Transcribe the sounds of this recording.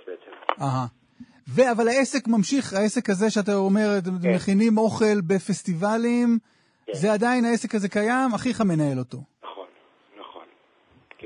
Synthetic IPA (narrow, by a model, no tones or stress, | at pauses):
aɦa | ve̞avalhae̞se̞kmamʃiχae̞se̞khazeʃeat̪̬aome̞ʁt̪mːeχinimo̞χe̞lbe̞fe̞st̪ivalim | zead̪ainae̞se̞khaze̞kajamaχiχame̞nae̞lo̞to̞ | χon | naχon